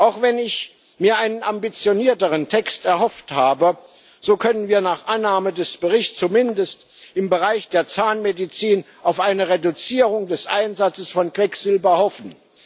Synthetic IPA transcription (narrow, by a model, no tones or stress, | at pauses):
ʔaʊxv̥ɛnɪç | miːɐʔaɪnənʔambit͡sjoniːɐtəʁəntʰɛkstɛɐhɔfthaːbə | z̥oːkʰœnənviːɐnaːχʔanːaːmədɛsb̥əʁɪçt͡sumɪndəst | ʔɪmbəʁaɪçd̥eːɐt͡saːnmedit͡siːn | ʔaʊfʔaɪnəʁedut͡siːʁʊŋdɛsʔa̰ɪnzat͡səsfɔnkv̥ɛkz̥ɪlbɐhɔfn̩